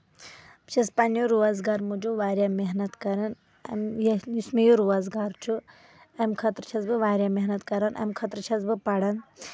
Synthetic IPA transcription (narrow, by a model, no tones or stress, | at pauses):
t͡ʃɐspɐnjoɾuʋazɡaɾmud͡ʒoʋaːɾjameɦnɐt̪kɐɾɐn | ɐ̰mjjusmijoɾuʋazɡaɾt͡ʃʰu | ɐmkʰɐt̪ɾt͡ʃʰɐzbɨʋaːɾʲjameɦnɐt̪kɐɾɐnʔɐ̰mkʰɐt̪ɾt͡ʃʰɐzbɨpɐɽɐn